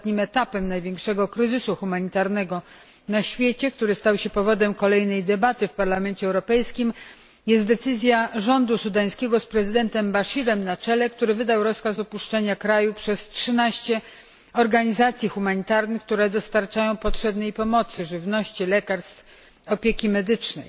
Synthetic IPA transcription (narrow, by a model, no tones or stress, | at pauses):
t̪ɲimɛt̪apɛmnajvʲjɛŋkʂɛɡɔkɾɘzɘsuxumaɲit̪aɾnɛɡɔ | naɕfʲjet͡ɕɛk̚t̪uɾɘst̪awɕɛpɔvɔd̪ɛmkɔlɛjnɛjd̪ɛbat̪ɘfpaɾlamɛnt͡ɕɛːwɾɔpɛjskʲim | jɛst̪d̪ɛt̪sɘzʲjaʐɔnd̪usud̪aj̃skʲɛɡɔspɾɛzɘd̪ɛnt̪ɛmbaʂiɾɛmnat͡ʂɛlɛk̚t̪uɾɘvɘd̪awɾɔskasɔpuʂt͡ʂɛɲakɾajupʂɛstʂɘnaɕt͡ɕɛ | ɔɾɡaɲizat̪sʲjixumaɲit̪aɾnɘxk̚t̪uɾɛd̪ɔst̪aɾt͡ʂajɔ̃w̃pɔtʂɛbnɛjpɔmɔt̪sɘʐɘvnɔɕt͡ɕilɛkaɾst̪f | ɔpʲjekʲimɛd̪ɘt͡ʂnɛj